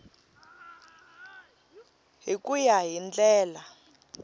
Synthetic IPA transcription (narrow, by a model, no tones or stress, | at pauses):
ɦik̬ʼujaɦint͡ɬʼɛːla